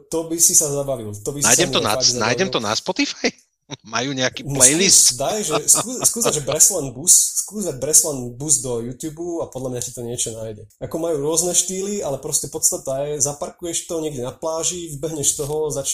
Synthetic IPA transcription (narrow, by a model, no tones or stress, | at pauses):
t̪ɔbisisazabaʋilt̪ɔbisna̰jɛmt̪ɔna̰azana̰jɟɛmt̪ɔnaspɔt̪ifaj | majuːɲɛakiːnplɛjlist̪d̪ajʒɛskkuːskuːzaʒɛbɾɛslanbusskuːzd̪aɟ̚bɾɛslanbuzd̪ɔjuːt̪juːbuapɔd̪lamɲasi̥t̪ɔɲɪɛt͡ʃɔnaːjɟɛ | akɔmajuːɾʊɔznɛʃt̪iːlialɛpɾɔscɛpɔt̪st̪at̪ajɛzapaɾkujɛʃt̪ɔɲɛɡɟɛnaplaːʒivbɛɦɲɛʃt̪ɔɦɔzat͡ʃ